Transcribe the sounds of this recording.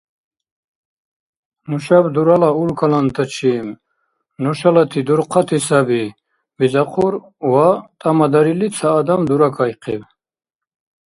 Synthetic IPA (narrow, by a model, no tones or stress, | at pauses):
nuʃabd̪uɾalaulkʰalant̪ʰat͡ʃʰim | nɔʃalat̪ʰid̪uɾqʰat̪ʰisabi | bizaqʰuɾ | wat̪ʼamad̪aɾilit͡sʰaːd̪amd̪uɾakʰajqʰḭv